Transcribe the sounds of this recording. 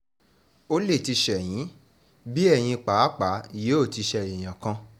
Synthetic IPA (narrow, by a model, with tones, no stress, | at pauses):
o˦le˦˨ti˧ʃɛ˨j̃ĩ˨˦ | bi˦ɛ˦˨j̃ĩ˧k͡pa˨˦k͡pa˨˦˨je˨˦o˦˨ti˧ʃɛ˧˨ĩ˨j̃ã˨kã˧